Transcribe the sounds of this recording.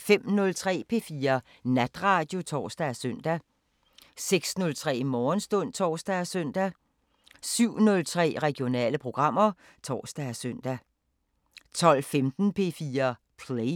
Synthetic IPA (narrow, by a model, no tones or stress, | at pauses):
fem̰nɔ̽lt͡sʰʁɛ̰ːpʰe̝̰ːfiːɐ | næd̥ʁɑ̈ːd̥jo̝t͡sʰɒ̰ːsd̥æsœn̰d̥æ | seɡ̥snɔ̽lt͡sʰʁɛ̰ːmɒːnsd̥ɔ̽n̰t͡sʰɒ̰ːsd̥æsœn̰d̥æ | syʊ̰nɔ̽lt͡sʰʁɛ̰ːʁɛɡ̥jo̝nɛ̰ːləpʰʁo̝ɡ̥ʁɑ̈m̰ɐ | t͡sʰɒ̰ːsd̥æsœn̰d̥æ | t͡sʰɒ̽l̰femd̥n̩pʰe̝̰fiːɐ | pʰle